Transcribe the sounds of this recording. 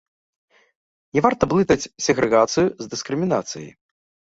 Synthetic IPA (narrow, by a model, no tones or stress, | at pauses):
nʲɛvart̪ɐblˠɨt̪ɐt͡sʲsʲɛɣɾɛɣat̪sɨjuzd̪ɨskɾɨmʲinat̪sɨjɐ̰j